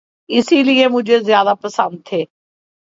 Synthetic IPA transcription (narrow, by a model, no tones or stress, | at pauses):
ɪsiːlɪemʊd͡ʒʱezɪjaːd̪aːpəsə̃nd̪̚ʰeː